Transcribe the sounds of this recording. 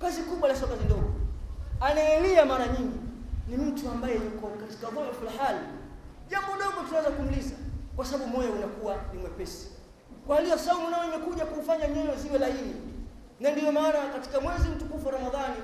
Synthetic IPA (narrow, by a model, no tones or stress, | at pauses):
kazikuɓwalasɔkazindɔɡɔanaɛliamaɾaɲiŋɡinim̩tuambajɛjukɔkati̥kaðɔmafulhali | ʄambɔɗɔɡɔtunawɛzakum̩lizakwasaɓaɓumɔjaunakuwaniŋwɛpɛsi̥ | kwalijɔsaumunaɔimɛkuʄakuːfaɲaɲɔjɔziwɛlaini | nandijɔmaːnakati̥kamwɛzim̩tukufaɾamaðani